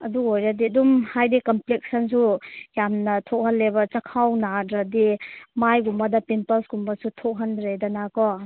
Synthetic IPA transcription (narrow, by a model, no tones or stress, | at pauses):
ɐduojɾadiɐdumhajdikɐmplek̚sɐnsujamnɐtʰok̚hɐnːebɐt͡ʃɐkʰawnadɾɐdimajɡumbɐdɐpimpɐsɡumbɐsutʰok̚ɦɐndɾedɐnakɔ